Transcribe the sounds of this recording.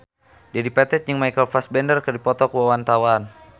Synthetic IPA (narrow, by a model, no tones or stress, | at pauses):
dadipɛt̪ɛt̪̚ɲəŋmajkəlfasbɛndərkərdipɔt̪ɔkuwawant̪awan